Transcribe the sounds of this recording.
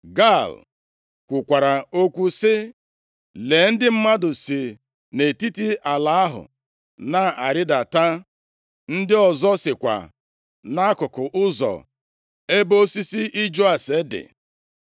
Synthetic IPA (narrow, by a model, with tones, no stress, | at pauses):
ɡa˦˨l | kʷu˨kʷa˨ɾa˨o˦kʷu˦sɪ˦ | le˨n̩˦dɪ˦m̩˦ma˦dʊ˨si˨ | ne˨ti˦ti˦ʔa˨la˨˦a˦ɦʊ̰˨ | na˦˨a˨ɾɪ˦da˨ta˦ | n̩˦dɪ˦ɔ˨zɔ˦sɪ˨kʷa̰˨ | na˦kʊ˨kʊ˨ʔʊ˦zɔ̰˨ | e˦bo˦si˦si˦i˦d͡ʒo˦a˨se˦dɪ̰˨